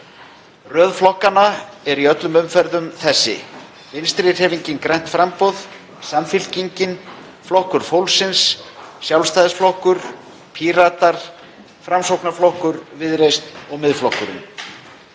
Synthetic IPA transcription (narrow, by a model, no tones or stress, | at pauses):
rœːðflɔhkanːaɛɾiœt̪lʏmʏmfɛɾðʏmθɛsːɪ̰ | vɪnst̪ɾɪr̥hɛːviɲcɪnkɾɛjn̥t̪fɾampɔð | samfɪl̥ciɲcɪn | flɔhkʏɾ̥fowlsɪnsːjawlst̪ajðsflɔhkʏɾ̥ | pʰiɾat̪aɾ̥ | fɾamsowknaflɔhkʏɾvɪðɾejst̪ɔɣmɪðflɔhkʏɾʏ̰m